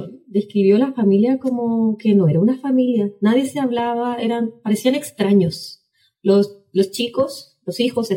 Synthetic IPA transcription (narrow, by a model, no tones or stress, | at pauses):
d̪e̞skɾiβjo̞lafamiljako̞moke̞noe̞ɾaunafamiljanaðje̞seaβlaβaeɾanpaɾe̞siane̞kst̪ɾaɲos | los | lo̞st͡ʃikos | losixo̞se